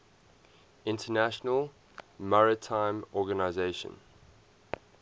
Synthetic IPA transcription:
ɪ̃ntʰənæʃənəlˠ | maɹɪtʰãɪ̃mɔɡənaɪzeɪʃə̰̃n

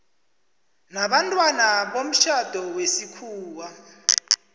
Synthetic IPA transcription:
naɓantʼwanaɓom̩ʃad̥ʱɔwesikʰuːwa

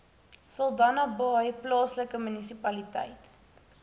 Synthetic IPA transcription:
sɐlˠdɐnɐbəœjplɑːsləkəmynisipɐlitɛ̰jt

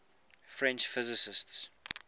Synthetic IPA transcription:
fɹɛ̃nt͡ʃfɪzɪsɪsts

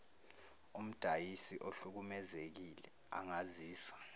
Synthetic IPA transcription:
um̩d̥ʱajisiʔoɬuk̬umɛzek̬ilɛ | a̰ŋaziːsḁ

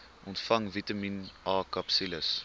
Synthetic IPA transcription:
ʔɔntfɐŋvitɐminʔɑːkɐpsiləs

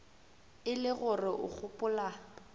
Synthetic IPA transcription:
ɪlɪɣʊrɪʔʊ̰k͡xʰʊpʼʊla

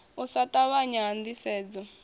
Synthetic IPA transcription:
usatʼaβaɲand̪isɛːd͡zɔ

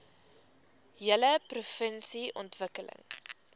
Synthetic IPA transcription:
jələprufənsiʔɔntvəkələ̰ŋ

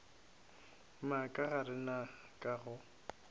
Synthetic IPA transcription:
makʼaɣaɾɪna | kʼaɣʊ

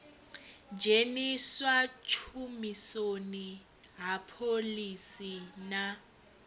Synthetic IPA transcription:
d͡ʒʱeniswat͡ʃʰumisoni | ɦapʰolisina

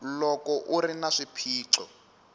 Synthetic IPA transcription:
lɔkɔʔurinaʂipʰiːǁɔ

